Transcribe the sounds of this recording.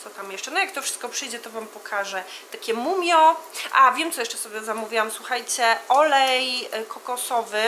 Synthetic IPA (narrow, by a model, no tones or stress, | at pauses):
t̪ɔt̪amjɛʂt͡ʂɛnɔjak̚t̪ɔfʂɨ̥st̪kɔpʂɘjd͡ʑɛt̪ɔvampɔkʰaʐɛt̪akʲɛmumʲjɔʔavʲjɛmt̪ɔjɛʂt͡ʂɛsɔbʲjɛzamuvʲiwamswuxajt͡ɕɛʔɔlɛjkʰɔkɔsɔvɘ